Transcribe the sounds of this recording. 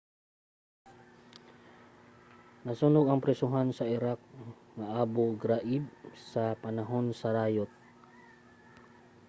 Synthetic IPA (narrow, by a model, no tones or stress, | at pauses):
nɐsuːnoɡɐŋpɾɛsʊɦansɐʔɪɾak̚ŋɐʔaːboɡɾaʔɪb̚sɐpɐnaɦo̞nsɐɾaːjot̪̚